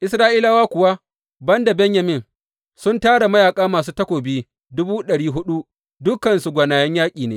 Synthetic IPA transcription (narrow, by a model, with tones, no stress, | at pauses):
ʔɪ˨sɾaː˦ʔiː˦laː˦waː˦kʷʊ˨wa˦ | bɐ˦nda˨bɛ˦ɲjɐ˨mɪ˦˨ŋ | sʊ˦ntaː˦ɽa˨mɐ˦jaː˨kʼaː˦maː˨s̬uː˦tɐ˦kʷoː˨biː˦ | dʊ˦buː˦ɗɐ˨ɽiː˦ɦʊ˦ɗu˦ | dʊ˦kːɐ˨nsu˨ɡʷɐ˨naː˨jɐ˦ɲjaː˦kʲʼiː˨neː˦